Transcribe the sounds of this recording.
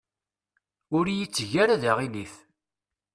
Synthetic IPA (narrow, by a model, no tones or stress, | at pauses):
ʊɾjit͡sːʝaɾaðaʁiliθ